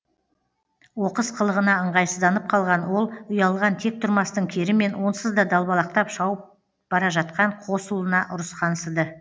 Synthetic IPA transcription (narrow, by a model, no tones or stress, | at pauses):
wo̞qəsqʰəlˠəʁənɑəɴʁɑjsəzd̪ɑnəp̚qʰɑlˠʁɑnwo̞lˠʊjɑlˠʁɑnt̪ʰe̞k̚t̪ʰʊɾmɑst̪əɴkʲʰe̞ɾɪme̞nwo̞nsəzd̪ɑd̪ɑlˠbɑlˠɑq̚t̪ɑpʃɑwəp̚ | b̥ɑɾɑʒɑt̪qɑɴqʰo̞sulˠənɑʔʊɾəsqʰɑnsəd̪ə